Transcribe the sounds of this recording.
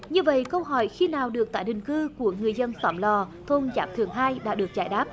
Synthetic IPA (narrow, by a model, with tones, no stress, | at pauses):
ɲɨ˧və̰˧˨jkə˧wɦɔ˧˩jxi˧naː˨˩wɗɨ˨˩ək̚t̪aː˧˩jɗï˨˩ŋ̟kɨ˧ku˧˩əŋɨ˨˩əjzə˧nfaː˧˩mlɔ˨˩t̪ʰo˧nza̰ː˨˦˥m̚t̪ʰɨ˨˩əŋɦaː˧jɗa̰ː˧˥ɗɨ˨˩ək̚t͡ɕaː˧˩jɗaː˦˥p̚